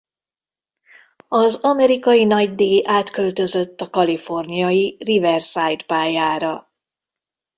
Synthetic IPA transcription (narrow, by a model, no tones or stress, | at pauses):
ɒzɒmɛɾikɒjinɒɟd̪eːʔaːt̪kø̞lt̪ø̞zø̞t̪ːɒkɒlifo̞rnijɒjirivɛrsajt̪paːjaːɾɒ